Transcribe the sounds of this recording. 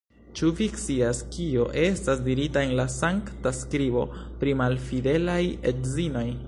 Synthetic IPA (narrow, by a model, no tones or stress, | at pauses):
t͡ʃuvikt͡siaskio̞ʔe̞stasdiɾitae̞nlasaŋktaskɾibo̞̰pɾimalfide̞lajetzino̞j